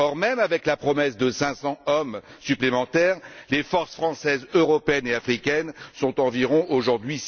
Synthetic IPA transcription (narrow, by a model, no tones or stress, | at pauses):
ɔʁmɛmavɛklapχɔmɛsd̪əsɛ̃sɑ̃ɔmsyplemɑ̃t̪ɛʁlefɔʁsfχɑ̃sɛzøʁɔpeɛneafχikʲɛnsɔ̃t̪ɑ̃viʁɔ̃ʔoʒuʁd̪ɥi